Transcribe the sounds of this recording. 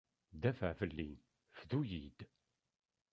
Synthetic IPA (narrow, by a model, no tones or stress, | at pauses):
d̪æfəʕfəlːḭn | fðujid̪